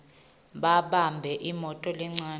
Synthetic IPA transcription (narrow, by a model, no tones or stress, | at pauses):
ɓaɓambʱɛʔimɔtʼɔlɛŋ͡ǀaːn